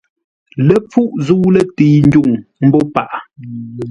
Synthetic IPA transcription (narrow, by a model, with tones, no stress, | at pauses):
lə˦p͡fu˦ʔzu˦lə˦tiː˨˦n̩˦d͡ʒu˦˨ŋm̩˦bɔ˦pa˦˨ʔ